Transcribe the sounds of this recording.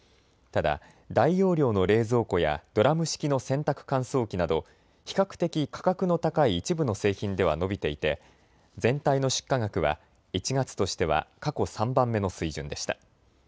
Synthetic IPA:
t̪ad̪a̰ | d̪aijo̞ːɾʲo̞ːno̞ɾe̞ːzo̞ːko̞ja̰d̪̥o̞ɾamɯ̟ɕi̥kʲino̞sẽ̞nt̪akɯ̟̥kãɰ̃so̞ːkʲinad̪o̞ | çi̥kakɯ̟̥t̪e̞kʲikʰḁkakɯ̟no̞t̪akaiːt͡ɕibɯ̟no̞se̞ːçĩnd̪e̞βa̰no̞bʲit̪e̞it̪e̞ | zẽ̞nt̪aino̞ɕɨ̥kːaŋakɯ̟βa̰ | it͡ɕiɡat͡sɨ̥t̪o̞ɕi̥t̪e̞βa̰kako̞sãmbãmːe̞no̞sɨiʑɨ̰̃nd̪e̞ɕi̥t̪a

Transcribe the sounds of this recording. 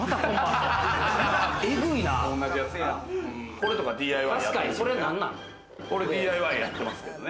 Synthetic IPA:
mat̪akõa | eɡɯinaõnːaʑijat͡sɨk | ko̞ɾe̞t̪o̞kad̪ʲiːaiβaaɕḁkaɲiso̞ɾe̞nãnːã̰n | ko̞ɾed̪iːaiβaijat̪ːe̞masɨ̥ke̞d̪one

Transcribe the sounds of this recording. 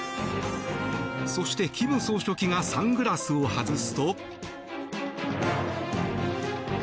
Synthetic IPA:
so̞ɕi̥t̪e̞kʲibɯ̟̃ɰso̞ːɕo̞kʲiŋasãŋɡɯ̟ɾasɨohazɨsɨ̥t̪o̞

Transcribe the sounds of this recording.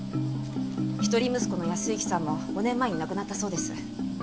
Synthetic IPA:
çi̥t̪o̞ɾʲimɯ̟sɨ̥ko̞no̞jasɨikʲi̥sãmːo̞ɡ̥o̞nẽ̞mːaeɲ̟inakɯ̟nat̪ːaso̞ːd̪e̞sɨ̥̰

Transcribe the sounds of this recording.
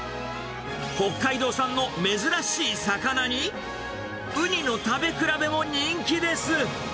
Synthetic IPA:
ko̞kːaid̪o̞ːsãnːo̞me̞zɨɾaɕiːsakanaɲ̟i | ɯ̟ɲ̟ino̞t̪abe̞kɯ̟ɾabe̞mo̞ɲ̟ĩŋkʲid̪e̞sɨ

